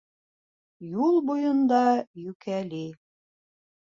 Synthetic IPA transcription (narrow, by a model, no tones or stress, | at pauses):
julˠbujɤ̆nd̪ɑjʉkæli